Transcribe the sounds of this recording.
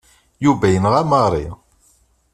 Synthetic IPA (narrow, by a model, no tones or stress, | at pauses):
juvæjənʁæməɾˤḭ